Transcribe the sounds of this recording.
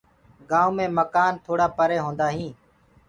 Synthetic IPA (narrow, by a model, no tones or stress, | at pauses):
ɡãːũːmẽːməkaːnt̪ʰoːɽaːpəɾeːɦõːnd̪aːɦĩː